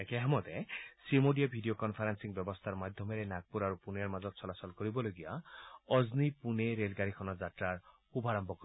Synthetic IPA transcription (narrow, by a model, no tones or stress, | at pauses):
ekeɦamɔd̪esimoɖiabʱiɖiokɔnpʰaɾansiŋbjɔbɔst̪ʰaɾmad̪ʱjɔmeɾenaɡ̚puɾaɾupuneɾmad͡ʒɔd̪̚sɔlasɔlkɔɾibɔloɡijaɔznipuneɾelɡaɾikʰɔnɔd͡ʒaʈɾaɾ | ubʱaɾɔmbɔkɔɾ